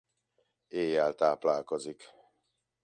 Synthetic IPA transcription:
eːjːɛlt̪aːplaːlkozik

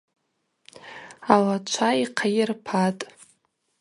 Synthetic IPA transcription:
alat͡ʃʷʰaiqʰajirpʰatʼ

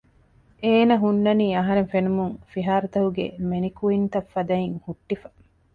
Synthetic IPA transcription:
eːnɐɦunːɐniːɐɦɐɾeŋfenumuŋfiɦaːɾut̪ɐɦuɡḛmenikuint̪ɐfːɐd̪ɐiŋhuʈːifɐ̥

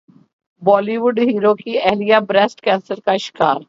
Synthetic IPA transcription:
bɔːliʋʊɖɦiːɾokiɛːlijabɾɛsʈkɛ̃ːnsəɾkaʃɪ̥kaːɾ

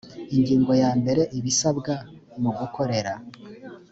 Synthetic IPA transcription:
iŋɡiːŋɡo̞jaːmbe̞ɾe̞ʔiβisabɡa | muɡukʰo̞ɾe̞ɾa

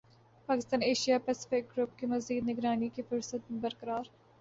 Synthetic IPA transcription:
paːkɪst̪aːneːʃijapɛːsɪ̥fɪk̚ɡɾʊpkemɐziːd̪nɪɡɾaːnikifʊɾsət̪̚mẽbɐɾkəɾaːɾ

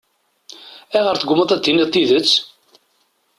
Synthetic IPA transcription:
æʁəɾθəɡʷʊməðˤæd̪ːinit̪ˤːiðət͡sː

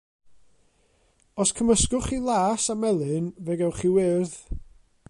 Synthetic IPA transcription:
ɔskʰəməskʊχiːlˠaːsamɛlˠɨnvɛɡɛwχiːwɪrð

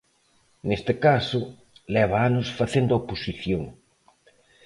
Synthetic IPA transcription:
nest̪ɪkasʊ | lɛβaanʊsfaθend̪ʊoposiθjoŋ

